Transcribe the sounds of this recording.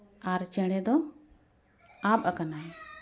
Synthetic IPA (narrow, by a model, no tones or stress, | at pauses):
aɾt͡ʃɛɽ̃ɛd̪ɔ | ab̚akanaj